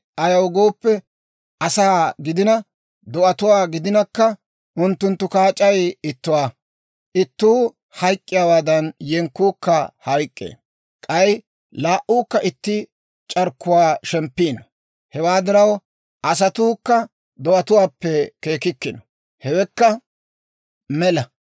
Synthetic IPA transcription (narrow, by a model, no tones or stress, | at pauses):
ʔɐjɐwɡo̞ːpːɛ | ʔɐsaːɡɪd̪ɪnɐ | d̪ɔʔɐt̪ʊwaːɡɪd̪ɪnɐkːɐ | ʔʊnt̪ːʊnt̪ːʊkaːt͡ʃʼɐjɪt̪ːʊwaː | ʔɪt̪ːuː | hɐjkʼːɪjaːwaːd̪ɐnjɛŋkːuːkːɐhɐjkʼːḛː | kʼɐj | laːʔuːkːɐʔɪt̪ːɪ | t͡ʃʼɐɾkːʊwaːʃɛmpːiːnɐ | hɛwaːd̪ɪɾɐw | ʔɐs̬ɐt̪uːkːɐ | d̪ɔʔɐt̪ʊwaːpːɛke̞ːkɪkːɪnɔ | hɛwɛkːɐ | mɛlɐ